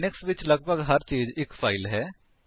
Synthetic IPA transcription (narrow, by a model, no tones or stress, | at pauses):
nɪksʋɪt͡ʃləɡ̚bʱəɡɦɐɾt͡ʃiːzɪkfʰaːɪlɦɛː